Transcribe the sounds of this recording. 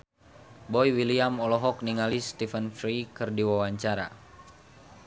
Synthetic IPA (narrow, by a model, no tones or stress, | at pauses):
bɔjwiliamɔlɔɦɔkniŋalist̪ifənfɾikɨrdiwawaɲt͡ʃaɾa̰